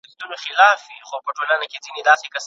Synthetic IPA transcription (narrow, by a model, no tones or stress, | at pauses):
xt̪unoxɪlaːfixopəʈolanakʲed͡zined̪asekas